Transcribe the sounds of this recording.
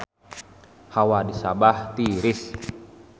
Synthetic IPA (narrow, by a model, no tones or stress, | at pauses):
hawadisabaht̪iɾɪs